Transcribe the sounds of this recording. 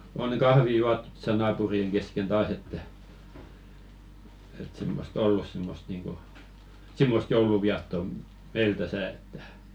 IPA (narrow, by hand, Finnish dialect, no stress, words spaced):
oŋ kɑhʋi juɑtːu̥t to̥sɑ nɑːpurieŋ kesken tɑːs etːæ et simːost olːus simːost niːŋko simːost jouluʋiɑtːo meil tæsæˑ etːæ